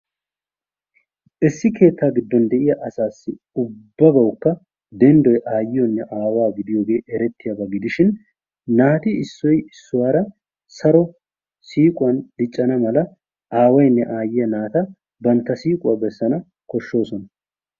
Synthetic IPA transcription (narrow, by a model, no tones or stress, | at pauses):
ʔɪsːɪkʰe̞ːt̪ːaːɡɪd̪ːɔnd̪ɛʔɪjɐʔɐsaːsːɪ | ʊbːɐbɐwkːɐ | d̪ɛnd̪ɔjʔaːjɪjɔnːɛʔaːwaːɡɪd̪ɪjoːɡe̞ːʔɛɾɛt̪ːɪjɐbɐɡɪd̪ɪʃɪnː | aːt̪ɪɪsːɔjɪsːʊwaːɾɐ | sɐɾɔ | siːkʼʊwɐnd̪̥ɪt͡ʃʼːɐnɐmɐlɐ | ʔaːwɐjnːɛʔaːjɪjɐnaːt̪ɐ | bɐnt̪ːɐsiːkʼʊwɐbɛsːɐnɐ | kɔʃːo̞ːsɔnɐ